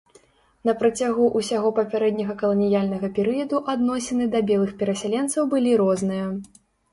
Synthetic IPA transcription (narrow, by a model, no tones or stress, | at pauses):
nɐpɾɐt͡sʲaɣuʔusʲaɣɔpɐpʲaɾɛd̪ʲnʲɐɣɐkɐlˠɐnʲijalʲnɐɣɐpʲɛɾɨjɐd̪uʔad̪nɔsʲɐnɨd̪ɐbʲɛlˠɨxpʲɛɾɐsʲalʲɛnt̪sɐwbɨlʲiɾɔznɨjɐ